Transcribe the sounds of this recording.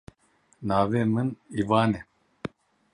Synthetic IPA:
naːveːmɨnivaːnɛ

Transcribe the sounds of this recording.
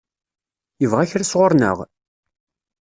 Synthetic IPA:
jəvʁaçɾasʁoɾˤnə̰ʁ

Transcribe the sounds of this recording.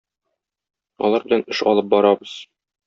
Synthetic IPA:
ɒ̰lˠɑɾbɘ̆lænɘʃɒ̰lˠɤp̚bɒɾɑbɤz̥

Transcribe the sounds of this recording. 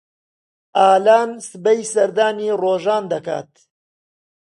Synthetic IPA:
ʔaːlaːnsɨbɐjsɐɾd̪aːniːroːʒaːnd̪ɐka̰ːt̪̚

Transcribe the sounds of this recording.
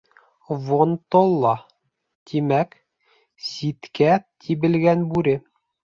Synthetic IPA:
vont̪olˠːɑ | t̪ʰimæk | sit̪kæt̪ʰiβɘ̆lɡænbʉɾɘ

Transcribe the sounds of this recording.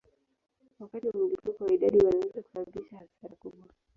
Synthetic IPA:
wakatiwamulifukɔwaiɗaɗiwanaizaku̥sabaɓiʃahasaɾakuɓwa

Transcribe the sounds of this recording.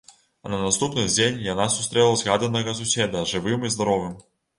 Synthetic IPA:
ɐnɐnast̪upnɨd͡zʲenʲjanasu̥st̪ɾɛlˠɐzɣad̪ɐnːɐɣɐsusʲɛd̪ɐʐɨvɨmizd̪aɾɔvɨm

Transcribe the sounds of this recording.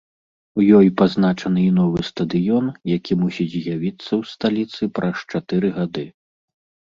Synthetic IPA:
wjɔjpaznat͡ʂɐnɨinɔvɨst̪ɐd̪ɨjɔnjakʲʰimusʲid͡zʲzʲjavʲit̪sːɐwst̪alʲit̪sɨpɾʔɐst͡ʂat̪ɨɾɨɣad̪ɨ

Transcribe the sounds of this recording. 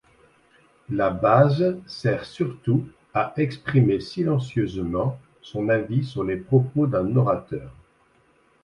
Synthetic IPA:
labazsɛʁsyʁt̪u | aʔɛkspχimesilɑ̃sjøzmɑ̃ | sɔ̃navisyʁlepχɔpod̪ɛ̃nɔʁat̪œːʁ

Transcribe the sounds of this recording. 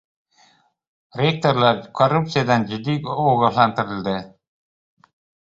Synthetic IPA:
rʲek̚t̪oɾlˠɑɾkʰorup̚t̪sɨjad̪ɑnd͡ʒɪd̪ːikoɡəlˠɑnt̪ɘ̆ɾɘ̆ld̪ɘ

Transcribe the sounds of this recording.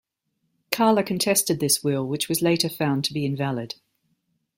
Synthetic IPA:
kʰɑːləkʰə̃ntʰɛstɨd̪̚ðɪswɪlˠwɪt͡ʃwɒzleɪtəfãʊ̃ntʰəbiɪ̃ɱvælɪd̥

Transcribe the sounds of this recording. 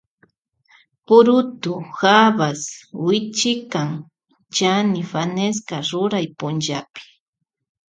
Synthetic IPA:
pʊɾʊt̪ʊxaβaswɪt͡ʃɪkaŋ | t͡ʃanɪfaneskaɾʊɾajpʊnʒapɪ̥

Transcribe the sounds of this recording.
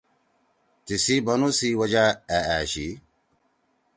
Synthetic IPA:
tisibanusiwad͡ʒaɛaʃḭ

